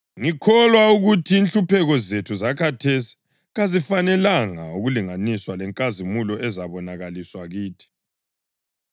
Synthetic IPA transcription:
ŋikʰɔlwauɣutʰiːnɬupʰɛɣɔzetʰuzakʰatʰesi̥ | ɣazifanɛlaŋauɣuliŋaniswalɛŋkʼazimulɔʔɛzaβɔnaɣaliswaɣiːtʰi̥

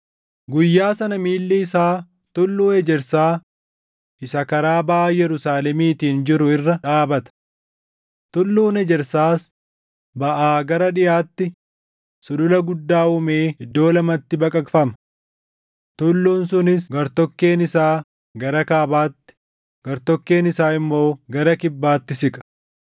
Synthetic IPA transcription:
ɡʊjːaːsɐnɐmiːlːɛɪsaː | t̪ʊlːuːnɛd͡ʒɛɾsaː | ʔɪsɐkɐɾaːbaʔːjɛɾʊsaːlɛmiːt̪iːnd͡ʒɪɾʊɪrːɐᶑaːbɐt̪ɐ̥ | t̪ʊlːuːnɛd͡ʒɛɾsaːs | bɐʔaːɡɐɾɐᶑɪjaːt̪ːɪ | sʊdʊlɐɡʊd̪ːaːhʊmeːɪd̪ːo̞ːlɐmɐt̪ːɪbɐkʼɐkfɐmɐ̥ | t̪ʊlːuːnsʊnɪsɡɐɾt̪ɔkːe̞ːnɪsaː | ɡɐɾɐkaːbaːt̪ːɪ̥ | ɡ̥ɐɾt̪ɔkːe̞ːnɪsaːɪmːo̞ːɡɐɾɐkɪbːaːt̪ːɪsɪkʼɐ̥

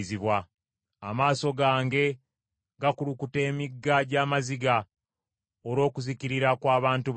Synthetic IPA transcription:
ziβwa | amaːso̞ɡaːŋɡe̞ | ɡakulukute̞ːmiɡːaɟaːmaziɡa | oɾo̞ːkuziciɾiɾakwaːβaːntu

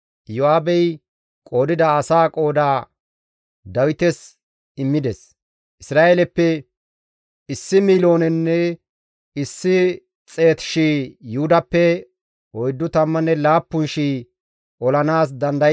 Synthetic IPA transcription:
jɔaːbɛj | kʼo̞ːd̪ɪd̪ɐɐsaːkʼo̞ːd̪aː | d̪ɐwɪt̪ɛs | ɪmːɪd̪ɛs | ʔɪsɾaːjelɛpːɛ | ɪsːɪmiːlo̞ːnɛnːɛ | ɪsːɪ | t͡sʼe̞ːt̪ʃiːjuhʊd̪ɐpːɛ | ɔjd̪ːʊt̪ɐmːɐnɛlaːpːʊnʃiː | ʔɔlɐnaːs̬d̪ɐnd̪ɐ

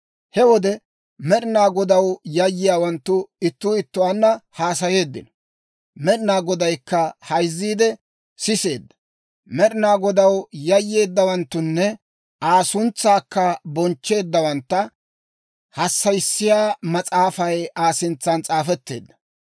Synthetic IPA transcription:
hɛwɔd̪ɛ | mɛɗɪnaːɡɔd̪ɐwjɐjːɪjaːwɐnt̪ːʊɪt̪ːʊɪt̪ːʊwaːnːɐhaːs̬ɐje̞ːd̪ːɪ̰nɔ | mɛɗɪnaːɡɔd̪ɐjkːɐhɐjzːiːd̪ɛ | sɪse̞ːd̪ːɐ̥ | mɛɗɪnaːɡɔd̪ɐwjɐjːe̞ːd̪ːɐwɐnt̪ːʊnːɛ | ʔaːsʊnt͡sːaːkːɐbɔnt͡ʃːe̞ːd̪ːɐwɐnt̪ːɐ | hɐsːɐjsːɪjaːmɐt͡sʼaːfɐjaːsɪnt͡sːɐnt͡sʼaːfɛt̪ːe̞̰ːd̪ːɐ

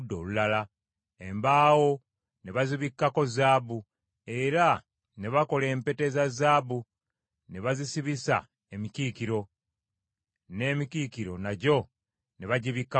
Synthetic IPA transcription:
dːo̞̰ːlulala | embaːwo̞ | ne̞βaziβikːako̞zaːbu | e̞ɾa | ne̞βako̞le̞ːmpe̞te̞zazaːbu | ne̞βazisiβisa̰ | e̞miciːkiɾo̞ | ne̞ːmikiːkiɾo̞̰naɟo̞ | ne̞βaɟiβikːa

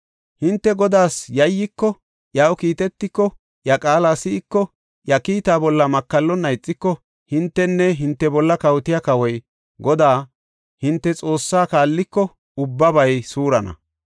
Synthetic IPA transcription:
hɪnt̪ːɛɡɔd̪aːsjɐjːɪkːɔ | jɐwkiːt̪ɛt̪ːɪkːɔ | jɐkʼaːlaːsɪːkːɔ | jɐkiːt̪aːbɔlːɐmɐkːɐlːɔnːɐjt͡sʼːɪkːɔ | hɪnt̪ːɛnːɛɦɪnt̪ːɛbɔlːɐkɐwt̪ɪjakɐwɔj | ɡɔd̪aː | hɪnt̪ːɛt͡sʼo̞ːsːaːkaːlːɪkːɔ | ʊbːɐbɐjsuːɾɐnɐ̰

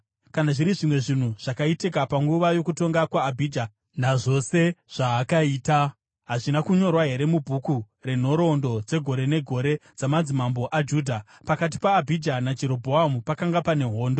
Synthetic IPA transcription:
kanaʐiɾiʐimwe̞ʐin̤uʐ̥akaitikapaŋɡuʋajo̞kuto̞ŋɡakwaːbʱid͡ʒa | naʐo̞seʐ̥aːkaiːta | ɦaʐinakuɲo̞rwaɦe̞ɾe̞mubʱuku | re̞n̤o̞ɾo̞ndo̞d͡ze̞ɡʱo̞ɾe̞ne̞ɡʱo̞ɾe̞d͡zamad͡zimambo̞ʔad͡ʒuːdʱa | pakat̬ipaːbʱid͡ʒanad͡ʒe̞ɾo̞bʱoɦamupakaŋɡapane̞ɦo̞ːndo

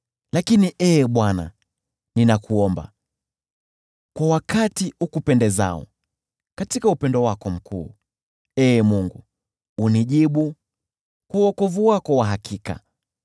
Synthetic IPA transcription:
lakiniʔɛɓwana̰ | ninakuɔmba̰ | kwawakʰatihukupɛndɛza̰ɔ̰ | katikaupɛndɔwakɔm̩kʰṵː | ɛmuŋɡuː | niʄiɓu | kwuwɔkɔvuwakɔwaɦakʰika̰

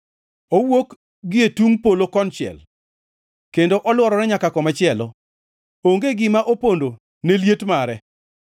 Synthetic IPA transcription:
owok | ɡɪetuŋpolokɔnt͡ʃɪɛ̰l | kendoʔɔlwɔɾɔɾɛɲakakɔmat͡ʃɪɛlɔ | oŋɡeɡɪmaʔopondo | neljetmaɾɛ

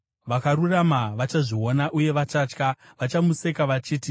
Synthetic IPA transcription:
ʋakaruramaʋat͡ʃaʐio̞naʔuje̞ʋat͡ʃaːt͡ʃka | ʋat͡ʃamuse̞kaʋat͡ʃiːti

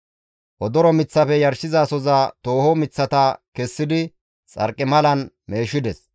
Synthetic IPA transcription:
ʔɔd̪ɔɾɔmɪt͡sːɐfɛjɐɾʃɪzaːsɔzɐt̪o̞ːhɔmɪt͡sːɐt̪ɐkɛsːɪd̪ɪ | t͡sʼɐ̰ɾkʼːɪmɐlɐn | me̞ːʃɪd̪ɛs

